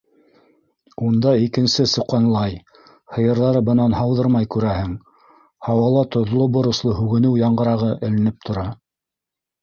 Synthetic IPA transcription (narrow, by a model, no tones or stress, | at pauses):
und̪ɑikɘ̆nsɘsŏqːɑnlˠɑj | hɤ̆jɤ̆ɾðɑɾɤbɤ̆nɑnhɑwðɤɾmɑjkʉɾæhɘŋ | hɑwɑlˠɑt̪ŏðlˠobŏɾŏslˠɤhʉɡɘ̆nɘwjɑɴɢɤ̆ɾɑʁɤʔɘ̆lɘ̆nɘp̚t̪ʰŏɾɑ